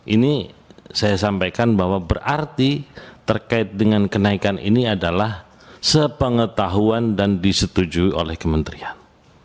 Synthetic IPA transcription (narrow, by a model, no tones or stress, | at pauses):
ʔinisajasampajkanbahwabərʔart̪it̪ərkaɪt̪̚dəŋankənaikanḭniadalah | səpəŋət̪aɦuandandisət̪ud͡ʒuiʔo̰lɛhkəmənt̪ɾian